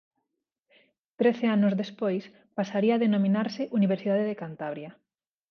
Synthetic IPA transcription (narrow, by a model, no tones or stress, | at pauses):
t̪ɾeθeanʊzðespojs | pasaɾiaːðenomĩnaɾsɪʔuniβ̞eɾsiðaðeðekant̪aβ̞ɾja